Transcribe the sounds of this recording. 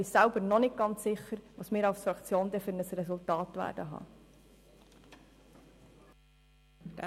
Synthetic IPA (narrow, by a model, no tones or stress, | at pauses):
isælbəɾnɔnɪt̚ɡ̥ɑnt͡sːɪχːəɾʋɑsmɪːɾɑwsfɾɑkt͡sjoːnd̪ɛfʏɾnəsrɛsultɑːtʋæ̰ːɾdəɦɑ̰ː